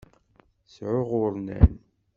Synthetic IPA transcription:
sʕʊʁʊɾˤnæ̰n

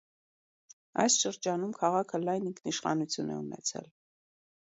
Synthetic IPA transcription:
ɑjsʃəɾd͡ʒɑnumkʰɑʁɑkʰəlɑjniŋkʰniʃχɑ̰nut͡sʰjunɛ̰unɛ̰t͡sʰɛ̰l

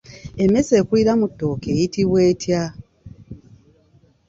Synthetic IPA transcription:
e̞mese̞ːkuiɾamutːoːkeːjitiβweːtja

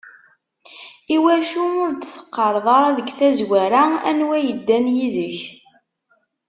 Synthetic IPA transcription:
iwæʃuʊɾt͡sθə̥qːəɾˤðˤɑɾˤɑðəɡθæzwæɾaæ̰nwæjəd̪ːænjiðəç

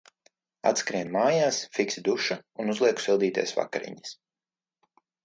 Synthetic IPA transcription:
a̰t̪skɾiɛnmaːjaːsfiksid̪uʃaunuzlˠiɛku̥sɛlˠd̪iːt̪ɛ̰ːsva̰kaɾḭɲis

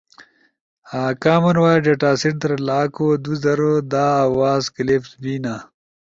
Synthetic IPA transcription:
aːkaːmɐnwaːɖeʈaːsiʈ̚d̪ɐɾlaːkoːd̪uzɐɾod̪aːaːwaːzklefsbiːna

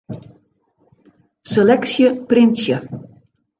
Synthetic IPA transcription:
selɛksjəprɪnsjə

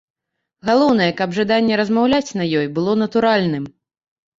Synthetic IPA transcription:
ɣalˠɔwn̪ɐjɛkɐbʐad̪anʲːɛɾɐzmawlʲat͡sʲnɐjɔjbɨlˠɔnɐt̪uɾalʲnɨm

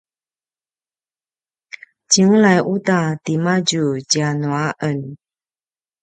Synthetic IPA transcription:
t͡ɕiŋlajʔutatimad͡ʒud͡ʒanuaʔən

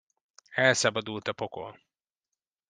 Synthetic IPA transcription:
ɛlsɒbɒd̪ult̪ɒpoko̰l

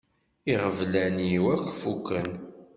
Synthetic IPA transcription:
iʁəvlæniwækʷːfukːən

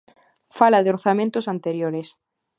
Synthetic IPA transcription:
falaðeoɾθamẽnt̪osant̪eɾjoɾes

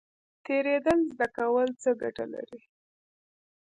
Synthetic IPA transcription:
t̪eɾed̪əlzd̪akawəlt͡səɡaʈa̰la̰ɾi

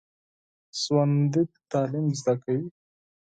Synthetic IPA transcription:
swand̪it̪ɑːlimzd̪akawi

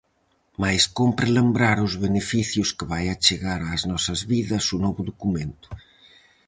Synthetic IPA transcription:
majskompɾelembɾaɾʊzβenefiθjʊskɪβajat͡ʃeɣaɾaːznɔsɐzβiðɐsunɔβʊðokumẽnt̪ʊ̥

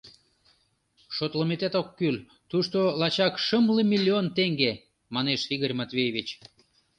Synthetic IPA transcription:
ʃot̪ləmet̪et̪okːyl | t̪uʃt̪olɑt͡ɕɑkʃəmlimʲilʲːiont̪eŋɡe | mɑneʃiɣorʲmɑt̪vʲejevʲit͡ɕ

